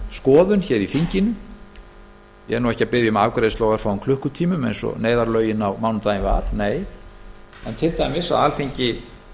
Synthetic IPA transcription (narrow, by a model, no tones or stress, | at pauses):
skɔːðʏnçɛɾifiɲcɪnʏ | jɛ̰nuwɛhcapɪðjʏmaːkɾeːðst̪ɔːwɣaɾ̥fawʏmkʰlʏhkʏt̪ʰiːmʏmḛjnsɔ̰neːjðaɾlœːɥjɪnawmawnʏmt̪aːjɪnva̰ɾ̥neːj | ɛ̰nt̪ʰɪlt̪ʰaːjmɪsa̰ðalfiɲcɪ